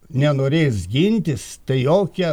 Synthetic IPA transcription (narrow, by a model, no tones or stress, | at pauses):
nʲɛnoːɾʲeːsɡʲinʲt̪ʲɪst̪ɐɪjoːkʲɛ